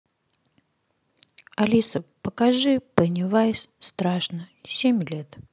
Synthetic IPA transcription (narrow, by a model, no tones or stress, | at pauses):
ɐlʲisəpəkaʐɨpənʲɪvajsʲst̪ɾaʂnəsʲemʲlʲet̪